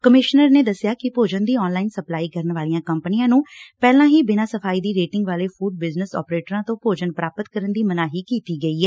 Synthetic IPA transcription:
kəmɪʃnəɾneːd̪əsɪjaːkɪpoːd͡ʒənd̪iːɔːnlaːɪnsəplaːiːkəɾəɳʋaːlijãːkəmpənɪjãːnũːpɛːlãːɦiːbɪnãːsəpʰaːiːd̪iːɾeːʈɪ̃ŋɡʋaːleːpʰuːɖ̚bɪznəsɔ̰ːpɾeːʈɾãːt̪õːpoːd͡ʒənpɾaːpət̪kəɾənd̪iːmənaːɦiːkiːt̪iːɡəiːɦɛː

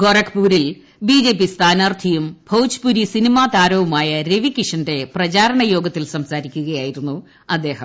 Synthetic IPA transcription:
ɡorɐkpuːɾil | biːd͡ʑe̞ːp̬ːist̪ʰaːnaːrt̪ʰijumbʱɐwt͡ɕpuɾisinimaːt̪aːɾɐʋɐmaːjɐɾe̞ʋikiʂɐnde̞prɐt͡ɕaːɾɐɳɐjo̞ːɡɐt̪ːilsɐmsaːɾikʲːuɣɐjaːjiɾunːu | ɐd̪ːe̞ːhɐ

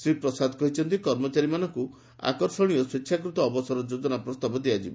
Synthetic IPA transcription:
sɾipɾɔsad̪ʱɔkɔɦit͡ʃʰɔnt̪ikɔɾmɔt͡ʃaɾimanɔŋku | a̰kɔɾsɔɽ̃ijɔsikʃʰjakɾut̪ɔːbɔsɔɾɔd͡ʒod͡ʒɔnapɾɔst̪abɔd̪iad͡ʒibɔ

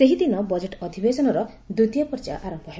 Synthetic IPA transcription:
seɦid̪inɔbɔd͡ʒeʈɔd̪ʱibesɔnɔɾɔ | d̪ud̪ijapɔɾd͡ʒa̰ʔaɾɔmpɔɦe

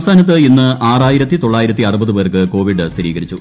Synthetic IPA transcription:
st̪ʰaːnɐt̪ːɨinːɨʔaːraːjiɾɐt̪ːit̪oɭːaːjiɾɐt̪ːiɐrubɐðɨpeːrkɨko̞ːʋiɖɨst̪ʰiɾiːɡɐɾit͡ɕːu

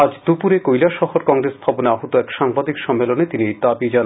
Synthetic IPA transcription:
ad͡ʑd̪upuɾekojlaʃɔhoɾkɔŋɾesb̪ʰʱaboneaɦot̪oɛkʃaŋbad̪ikʃɔmːelonet̪iniejd̪abid͡ʑan

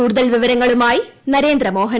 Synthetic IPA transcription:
uːɽuðɐlʋiʋɐɾɐŋːɐɭumaːjinɐɾeːnd̪ɾɐmoːɦɐ

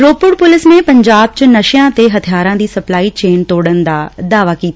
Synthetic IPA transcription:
ɾoːpʊɽpʊlɪsmẽpɐ̃ɲd͡ʑaːb̚t͡ɕɐnɐʃjãt̪eɦɐt̪ʰijaːɾãːd̪iːsɐplaːit͡ɕeːnt̪oːɽənɪ̆d̪aːd̪aːʋakiːt̪ː

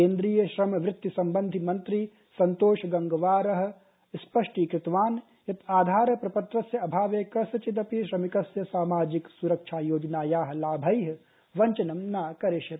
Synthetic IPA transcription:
eːnd̪ɾiːjɐʃɾɐmɐʋɾɪt̪ːjisɐmbɐ̃nd̪ʱimɐ̃nt̪ɾi | sɐnt̪oːʃɐɡɐŋɡɐʋaːɾɐɦɐ̆ | spɐʂʈiːkɾɪt̪ʋaːn | jɐt̪ʰaːd̪ʱaːɾɐpɾɐpɐt̪ɾɐsjɐɐbʱaːʋeːkɐsɐt͡ʃit̪̬ɐpiʃɾɐmikɐsjɐsaːmaːd͡ʒiksuɾɐkʃʰaːjoːd͡ʒnaːjaːɦɐ̆laːbʱɐjɦɐ | ʋɐɲt͡ʃɐnɐmnaːkɐɾeʃɐt̪

